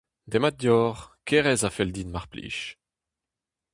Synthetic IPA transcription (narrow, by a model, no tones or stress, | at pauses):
d̪emat̚d̪jɔːʁkʰɛʁɛzafɛld̪iːnmaʁplḭːʃ